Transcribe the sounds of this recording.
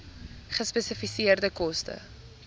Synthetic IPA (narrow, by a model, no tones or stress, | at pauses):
χəspɛsifisiərdəkɔstə̰